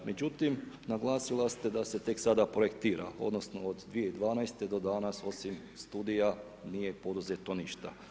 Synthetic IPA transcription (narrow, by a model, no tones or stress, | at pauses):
me̞d͡ʑut̪im | naɡlˠaːsilast̪ed̪ase̞t̪e̞ksad̪apɾo̞ekt̪iːɾa̰o̞̰d̪no̞sno̞od̪d̪ʋijeid̪ʋaːnajst̪e̞d̪o̞d̪anaso̞sim | st̪uːd̪ija | nije̞po̞d̪uzet̪o̞niʃt̪a̰